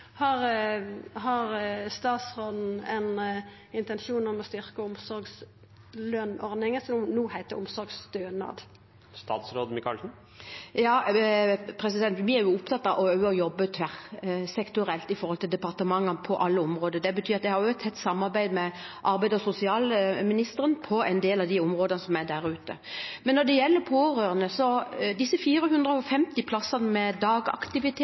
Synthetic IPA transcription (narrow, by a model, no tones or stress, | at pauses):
hɑɾ | hɑɾst̪ɑːt̪sɾoːd̪n̩ɛn | ɪnt̪ɛnʃuːnɔmɔst̪ʏɾkəʊmsɔɾɡs | løːnɔɾd̪nɪŋəsɔnuːhæɪt̪əʊmsɔɾɡst̪øːnɑ̰d̪ | st̪ɑ̰ːt̪sɾoːd̪mɪkʰɑlsn̩ | jɑː | pʰɾɛs̬ɪd̪ɛnt̪ʋɪæɾjʊʊpt̪ʰɑt̪ːɑʔɔœʉəɔjɔbːət̪ʰʋæʁsɛkt̪ʊɾɛlt̪ɪfɔɾhɔlt̪ʰɪld̪ɛpɑʁt̪əmɑŋːɑpʰɔʔɑlːəɔmʁoːd̪əd̪ɛbət̪ʰyːʁɑt̪d̪ɛhɑɾjʊɛt̪ʰɛt̪ːsɑmːɑɾbæɪd̪mɛʔɑɾbæɪd̪ɔsʊsɪɑːlmɪnɪst̪əɾənpʰɔɛnd̪eːlɑʋd̪ɪʊmʁoːd̪ənəsɔmæd̪æɾʉːt̪ə̰ | mɛnːɔd̪ɛjɛlːəpʰoːɾøːɾənəsɔd̪ɪsːəfiːɾəɦʉnd̪ɾəɔfɛmt̪ɪpʰlɑsːɑnəmɛd̪ɑːɡɑ̰kt̪ɪʋɪt̪ʰeː